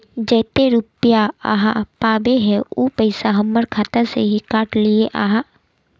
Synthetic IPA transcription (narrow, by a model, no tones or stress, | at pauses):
d͡ʒɛːt̪eɾupjaa̰ːɦapaːbeɦɛ̃uːpəɪsaɦɐmːəɾkʰaːt̪aseɦikaːʈlieʔaːɦa